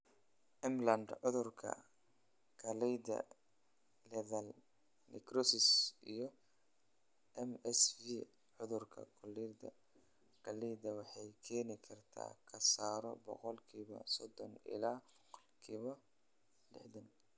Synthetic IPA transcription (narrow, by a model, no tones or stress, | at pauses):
ʔɛmlɐnd̪ʕʊðʊrkʰɐ̰ | kʰɐlɛjd̪ɐ̰ | lɛðɐl | nɪkrɔsɪsijɔ | ɛmɛsvi | ʕʊðʊrkʰɐ̰kʰʊlɛrd̪ɐ̰ | kʰɐlɛjd̪ɐwɑħɑjkʰɛːnɪkʰɐrt̪ʰa̰ːkʰɐsaːɾɔ̰bɔ̰qɔlkʰiːβɐ̰sɔd̪ɔnɪ̰laː | kʰiːβɐ | lɪ̰ħd̪ɐn